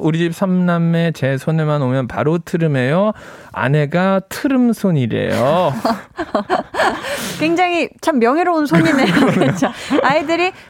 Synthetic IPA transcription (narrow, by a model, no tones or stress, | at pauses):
oɾiɕip̚s͈ʰamnamːet͡ɕe̞sʰonemanomjʌnpa̰ɾotʰɯɾɯme̞jo | a̰ne̞ɡatʰɯɾɯmsʰoɲiɾe̞̰jo | kwe̞ŋd͡ʑaŋit͡ɕʰamːjʌŋɦeɾounsʰoɲinejot͡ɕoaidɯɾi